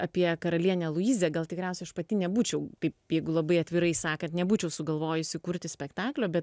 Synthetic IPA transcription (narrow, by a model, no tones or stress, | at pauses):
ɐpʲiɛkɐɾɐlʲiɛnʲɛlˠʊiːzʲeːɡɐlˠt̪ʲɪkɾʲɛʊsʲɛɪɐʃpɐt̪ʲɪnʲɛbuːt͡ʃʲɛʊt̪ɐɪpjɛɪɡʊlˠɐbɐɪɐt̪ʲʋʲɪɾɐɪsɑːkɐnt̪nʲɛbuːt͡ʃʲɛʊsʊɡɐlˠʋoːjʊɪsʲɪkuɾʲt̪ʲɪsʲpʲɛkt̪ɑːklʲoːbʲɛt̪